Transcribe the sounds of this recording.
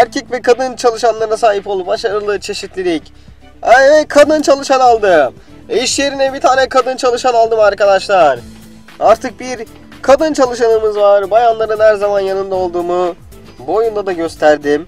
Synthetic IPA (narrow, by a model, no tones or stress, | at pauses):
æɾcʰɛcvɛkʰad̪ɯnt͡ʃʰalˠɯʃanlˠaɾnasaːɦipo̞lˠupbaʃaɾɯlˠɯt͡ʃʰe̞ʃit̪lʲiɾʲic | ɛɛkʰad̪ɯnt͡ʃʰalˠɯʃanalˠd̪ɯ | iʃeɾinɛbit̪ʰaːnɛkʰad̪ɯnt͡ʃʰalˠɯʃanalˠd̪ɯmaɾkad̪aʃlˠaɾ̥ | aɾt̪ʰɯk̚biɾ | kʰad̪ɯnt͡ʃʰalˠɯʃanɯmɯzvaɾbajanlˠaɾɯnhæɾzamanjanɯnd̪ao̞lˠd̪uːmu | bojund̪ad̪aɟø̞st̪ʰæɾd̪ɪm